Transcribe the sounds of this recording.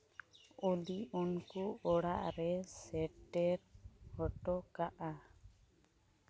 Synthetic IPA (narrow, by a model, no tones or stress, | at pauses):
uliunkuɔɽa̰ʔɾɛsɛʈɛɾhɔʈɔkaʔa